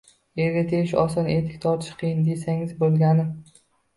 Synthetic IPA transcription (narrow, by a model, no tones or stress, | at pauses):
eɾɡʲat̪ʰeɡʲɪʃɒsɒnet̪ʰɪ̥kʲt̪ʰɒɾt̪ʰɪʃqʰɨjɪnd̪e̞saŋɪzbolˠɡʲanɪm